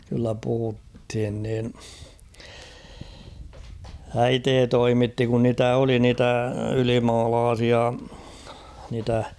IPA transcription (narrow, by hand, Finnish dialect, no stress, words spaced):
kylːæ puhuthin niːn æiteː toimitːi kun niːtæ oli niːtæ ylimɑːlɑːsiɑ niːtæ